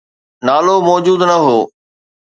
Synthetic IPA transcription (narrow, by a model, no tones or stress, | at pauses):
naːlomɔːd͡ʑuːd̪nɐɦoː